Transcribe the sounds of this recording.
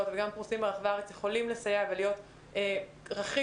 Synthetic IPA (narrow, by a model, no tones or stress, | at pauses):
otveɡampʁusimbeaχveaʁet͡sjeχo̞limlesajavelijo̞t | e | ʁaχi